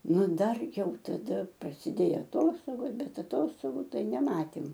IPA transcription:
ˈnʊ ˈdɐr ˈjɛʊ tɐˈdɐ prɐsʲɪˈdʲeːjoː ɐˈtoːstoːɡoːs ˈbʲɛt ɐˈtoːstoːɡʊ ˈtɐɪ nʲɛˈmɑːtʲeːm

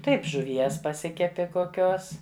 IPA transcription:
ˈtɐɪp ʒʊˈʋʲiɛs pɐˈsʲɪkʲɛpʲɪ koːˈkʲoːs

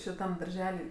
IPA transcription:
ʃʲɪˈtɐm dɐrʲˈʒʲæːlʲɪ

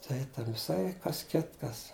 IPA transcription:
ˈtɐɪ ˈtʲɛn ʋʲɪˈsɐɪ ˈkɐs ˈkʲɪtkɐs

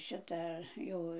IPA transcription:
ˈʃʲɪtɐ ˈjɛʊ

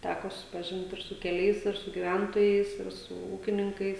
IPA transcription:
ˈtʲækoː sʊsʲɪpɐˈʒʲɪnt ɪr sʊ kʲɛˈlʲɛɪs ɪr sʊ ɡʲɪˈʋʲɛntoːjɛɪs ɪr sʊ ˈuːkʲɪnʲɪŋkɐɪs

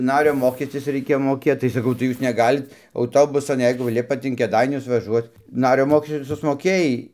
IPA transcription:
ˈnɑːrʲoː ˈmoːkʲɛsʲtʲɪs rʲɛɪˈkʲeːjoː moːˈkʲeːt tɐɪ sɐˈkɐʊ tɐɪ ˈjuːs nʲɛˈɡɑːlʲɪt ɐʊˈtoːbʊsɐn ˈjɛɪɡʊ ˈlʲɪpɐt ɪn kʲeːˈdɐɪnʲʊs ʋɐˈʒuɔt͡s ˈnɑːrʲoː ˈmoːkʲɛsʲtʲɪ sʊsmoːˈkʲeːjɛɪ

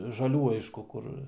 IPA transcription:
ʒɐˈlʲuː ˈɐɪʃkʊ ˈkʊr

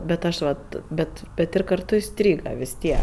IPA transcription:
bʲɛt ˈɐʃ ʋɐt ˈbʲɛt bʲɛt ˈɪr kɐrˈtʊ ɪˈsʲtʲrʲiːɡɐ ʋʲɪs ˈtʲiɛk

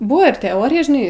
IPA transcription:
ˈbʊʋoː ɪr tʲɛˈoːrʲɪjɛ ʒʲɪˈnɐɪ

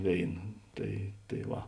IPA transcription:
ˈʋʲeːɪnɐ ˈtɐɪ tɐɪ ˈʋɐ

